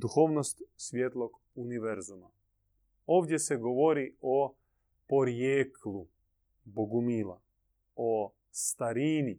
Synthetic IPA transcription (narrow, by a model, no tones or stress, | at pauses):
d̪uxoːʋnost̪sʋʲjet̪lˠoɡ | uniʋeɾzuma | oːʋd̪ʲjeseɡoʋo̞ɾio | poɾjeːklu | boɡumiːla̰ | o | st̪aɾiːni